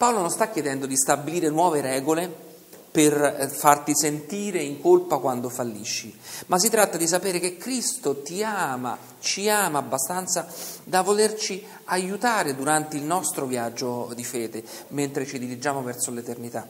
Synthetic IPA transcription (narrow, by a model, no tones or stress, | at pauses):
paolonõnst̪akːjed̪ɛnd̪od̪ist̪abːiliːɾenwɔːveɾɛːɡole | perfart̪isent̪iːɾeiŋkolpakwand̪ofalːiʃːimas̬ːit̪ɾat̪ːad̪isapeːɾekekːɾist̪ot̪iama̰ | t͡ʃiaːmaːbːast̪ant̪sad̪avolert͡ʃi | ajut̪aːɾed̪uɾant̪eilnɔst̪ɾovjad͡ʒːod̪ifɛːd̪e | ment̪ɾet͡ʃid̪iɾid͡ʒaːmovɛrsolet̪ernit̪a